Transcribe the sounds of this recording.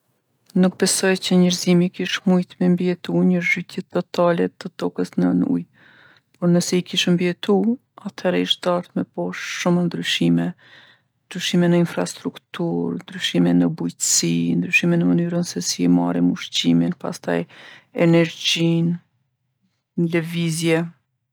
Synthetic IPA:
nuk̚bɛsɔjt͡ɕəɲəɾzimikiʃmujt̪mɛmbiɛt̪uɲəʒyt̪jɛt̪ɔt̪alɛt̪ət̪ɔkəsnə̰nṵj | pɔɾnəsɛikiʃmbiɛt̪u | at̪ʰɛɾiʃd̪aɾt̪mɛpɔʃʃumənd̪ɾyʃimɛ | nd̪ɾyʃimɛnəinfɾa̰st̪ɾukt̪uɾnd̪ɾyʃimɛnəbujt̪ə̥sind̪ɾyʃimɛnəmənyɾənsɛsiɛma̰ɾimuʃt͡ɕiminpa̰st̪a̰jɛnɛɾd͡ʑin | ləvizjɛ

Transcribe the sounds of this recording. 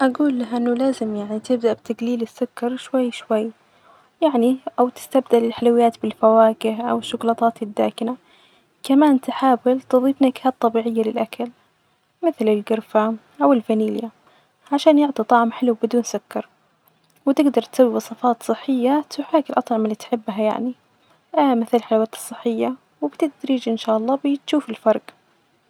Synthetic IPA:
ʔaɡuːlːaɦʔɪnːʊlaːzɪmjaʕnit̪ɪb̚d̪aʔbt̪aɡliːlɪsːʊkːɑɾˤʃwajːʃwajː | jaʕniʔawt̪ɪ̥st̪abd̪alɪlħalawɪjːaːt̪bɪlfawaːkɪhʔa̰wɪʃːʊɡlɑːt̪ˤɑːt̪ɪd̪ːaːkɪna | kamaːnt̪ɪħaːwɪlt̪ɨðˤiːfnaɡhaːt̪̚t̪ˤːɑbiːʕɪjːalɪlʔakʰal | mɪθlɪlɡʊɾfaʔawɪlfaniːlja | ʕaʃaːnjɪʕt̪ˤit̪ˤɑʕmħɪluwbɪd̪uːnsʊkːɑɾˤ | wɪt̪ɪɡd̪ɑɾˤt̪sawːiwɑsˤɑfɑːt̪sˤɨħːɪjːat̪ʊħaːkɪlʔɑt̪ˤʕɑmɪlːiːt̪ħɪbːɦaja̰ʕni | ʔmɪθɪlħalawaːt̪ɨ̥sˤːɨħːɪjːa | wɪbt̪ɪd̪ɾiːd͡ʒʔɪnʃaːʔɑlˤːɑːbɪt̪ʃuːfɪlfɑɾˤɡ

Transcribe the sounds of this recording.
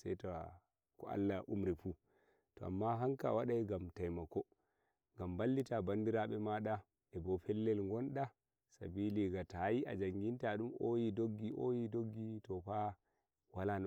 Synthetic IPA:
sajta̰ | kɔa̰lːaʔumɾifu | tɔa̰mːaɦaŋkawaɗajɡamtajmakɔ | ŋɡambalːitabandiɾaɓɛmaɗa | ɛbɔpɛlːɛlŋɡɔnɗa | sa̰biliɡatajiʔa̰d͡ʒaŋɡintaɗumojidoɡːiʔojidoɡːitɔɸa | walan

